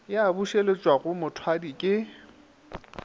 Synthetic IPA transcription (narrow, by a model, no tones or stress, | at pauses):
jabuʃelet͡ʃʼwaɣʊmʊtʰwadikʼɪ